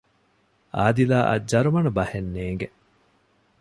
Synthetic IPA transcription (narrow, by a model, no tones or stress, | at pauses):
aːd̪ilaːʔɐ̰d͡ʒɐɾumɐnubɐhenːeːŋɡe